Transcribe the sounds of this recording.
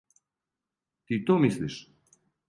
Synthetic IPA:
t̪it̪omisliʃ

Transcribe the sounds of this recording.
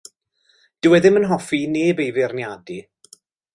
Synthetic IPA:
d̥ɪwɛðɪmənɦɔfineːbejvɪrnjadi

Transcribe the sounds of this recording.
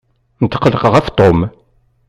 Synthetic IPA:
nt̪ːqələqʁæft̪ˤom

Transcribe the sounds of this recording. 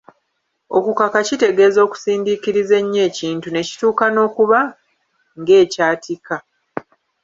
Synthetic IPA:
o̞̰kukakacite̞ɡe̞ːzo̞ːku̥siːndikiɾize̞ɲːe̞ːciːntune̞ci̥tuːkano̞ːkuβa | ŋɡe̞ːcaːtʰika

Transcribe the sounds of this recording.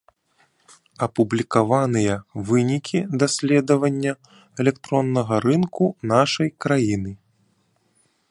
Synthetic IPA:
ɐpublʲikavanɨjɐvɨnʲikʲʰid̪asʲlʲɛd̪ɐvɐnʲːɐ | ɛlʲɛkt̪ɾɔnːɐɣɐɾɨnkunaʂɐjkɾajinɨ

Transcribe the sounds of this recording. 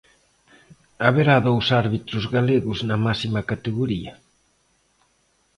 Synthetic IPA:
aβeɾaðowsaɾβit̪ɾʊzɣaleɣʊznɐmasimɐkat̪eɣoɾiɐ

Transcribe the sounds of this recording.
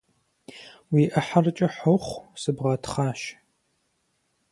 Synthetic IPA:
wiːʔɐħarɨt͡ʃʼɐħoχʷsɨbʁɐtʰχaːʃ

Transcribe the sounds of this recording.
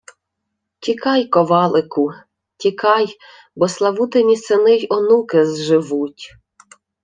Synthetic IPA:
tʲikɑjkɔʋɑlˠɪkʊ | tʲikɑj | bɔslˠɐʋut̪enʲisɪnɪjɔnukɪzʒɪʋutʲ

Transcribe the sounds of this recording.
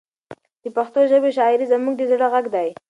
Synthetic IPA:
d̪̥əpaxt̪oʒəbeʃɑɪɾizamuɡ̚d̪ezɽaɣaɡd̪aj

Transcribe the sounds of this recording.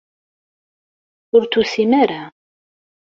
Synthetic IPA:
ʊɾt͡s̪ːusimaɾa

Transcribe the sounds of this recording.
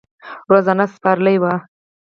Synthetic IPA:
ɾazanaspɑɾlajwa

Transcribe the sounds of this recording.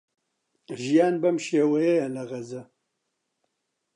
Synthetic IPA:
ʒijaːnbɐmʃeːwɐjɐjɐlɐɣɐzɐ

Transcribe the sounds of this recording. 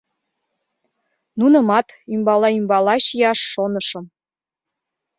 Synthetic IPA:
nunɤ̆mɑt̪ymbɑlɑymbɑlɑɕijɑʃːonɤ̆ʃɤ̆m

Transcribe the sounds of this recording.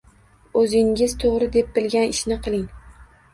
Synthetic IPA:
ɵzɪŋʲɪz̥t̪ʰoʁɾɪd̪e̞p̚bɪlɡʲanɪʃnɪqʰɨlˠɪŋ

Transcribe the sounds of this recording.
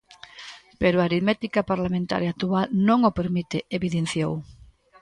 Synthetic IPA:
peɾʊaɾiðmet̪ikapaɾlamẽnt̪a̰ɾjat̪ualnõŋopeɾmit̪eeβiðen̟θjow

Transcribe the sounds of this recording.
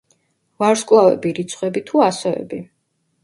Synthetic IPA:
vaɾskʼlˠavɛ̰biɾit̪sʰχʼwɛbit̪ʰuasɔɛ̰bi

